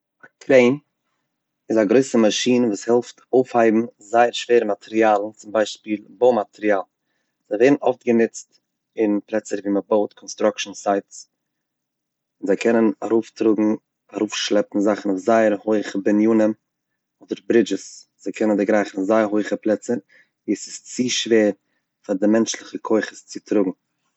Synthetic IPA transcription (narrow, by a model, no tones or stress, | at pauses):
akʰɾeɪn | ɪzaɡɾoɪsəmaʃiːnəvuːshɛlˠftoʊfhaɪbm̩zaɪəɾʃv̥eːɾəmatʰɛɾiaːlˠn̩t͡sʊmbaɪʃpiːlˠboʊmatʰɛɾiaːlˠn | z̥aɪveɪdn̩ɔftɡəmɪt͡st | ɪnplˠɛt͡səɾviːməboʊtkʰɔnstɾɔkʃn̩saɪts | ɪnzaɪkʰɛnənaɾuːftɾʊɡŋ̩ | aɾuːfʃlˠɛpn̩zaχn̩ʊfzaɪəɾhoɪχəbɛnjuːnəm | ɔːdəɾbɾɪd͡ʒɪsz̥aɪkʰɛnəndɪɡɾaɪχn̩ʊfzaɪəɾɦoɪχəplˠɛt͡sə | viːəsɪ̥st͡siːʃveːɾ | faɾdɪmɛnt͡ʃlˠɪχəkʰoɪχəst͡sɪtɾʊɡŋ̩